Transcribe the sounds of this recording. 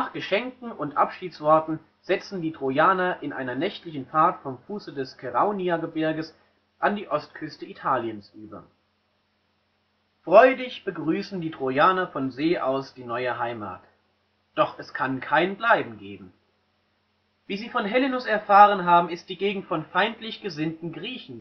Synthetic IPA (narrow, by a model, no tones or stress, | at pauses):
naːχɡ̥əʃɛŋkŋ̩ʊntʔapʃiːtsv̥ɔɐtn̩ | z̥ɛt͡sn̩diːtʁ̥ojaːnɐʔɪnʔa̰ɪnɐnɛçtlɪçn̩faɐtfɔmfuːsədɛskʰɛʁaʊniaɡəbɪɐɡəs | ʔandiːʔɔstkʰʏstəitʰaːljənsʔyːbɐ̰ | fʁ̥ɔʏdɪçb̥əɡʁyːsn̩diːtʁ̥ojaːnɐfɔnzeːʔaʊsd̥iːnɔʏəɦaɪma̰ːt | d̥ɔχɛskʰankʰaɪnblaɪbm̩ɡeːbm̩ | viːziːfɔnɦɛlinʊsɛɐfaːʁ̞ənɦaːbm̩ɪst̚d̥iːɡeːɡŋ̩tfɔnfaɪntlɪçɡ̥əzɪntn̩ɡʁiːçn̩